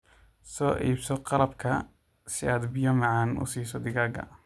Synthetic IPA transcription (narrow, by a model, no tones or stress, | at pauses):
sɔːʔḭːbsɔqɑlɐb̚kʰɐ | sɪaːd̪bɪjɐmɑʕɑːnʊ̰siːsɔd̪ɪɣaːɡɐ̰